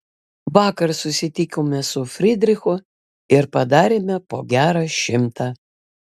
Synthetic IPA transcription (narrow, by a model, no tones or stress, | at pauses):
ʋɑːkɐɾsʊsʲɪt̪ʲɪkʲoːmʲɛsʊfʲɾʲɪd̪ʲɾʲɪxʊ | ɪɾpɐd̪ɑːɾʲeːmʲɛpoːɡʲæːɾɑːʃʲɪmt̪ɑː